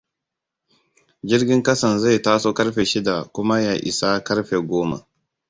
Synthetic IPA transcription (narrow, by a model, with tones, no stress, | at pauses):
d͡ʒɪ˦ɾɡʲɪ˦ŋkɐ˦sɐ˨nza˦˨taː˦soː˦kɐ˦ɾɸe˨ʃɪ˦da˨kʷʊ˦ma˦ja˨ʔɪ̰˨sa˦kɐ˦ɾɸe˨ɡʷoː˦ma̰˨